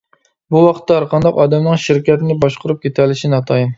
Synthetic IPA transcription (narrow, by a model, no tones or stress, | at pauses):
buwɑqʰət̪ːɑɾqʰɑnd̪ɑqɑd̪ɛmnɨŋʃɪɾkʲɛt̪ɪnɪbɑʃqʰʊɾup̚kʲʰet̪ʰɛlːɪʃinɑt̪ʰɑjim